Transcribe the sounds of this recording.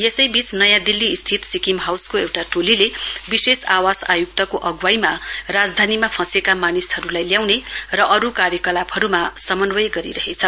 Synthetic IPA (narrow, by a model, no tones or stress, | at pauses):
jesʌjbisnʌjãd̪ilːiːst̪ʰit̪sikimɦawskoewʈaʈolilebisesawasajuk̚t̪ʌkoʔʌɡwajmarad͡zd̪ʱanimapʰʌ̃sekamanisɦʌɾulajljawnerʌʔʌɾukarjʌkʌlabɦʌɾumasʌmʌnwʌjɡʌɾḭɾʌɦet͡sʰʌ